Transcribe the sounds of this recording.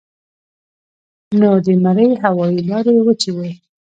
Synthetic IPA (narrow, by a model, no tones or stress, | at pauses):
nod̪ənaɾəjɦawɑilɑɾewət͡ʃiwe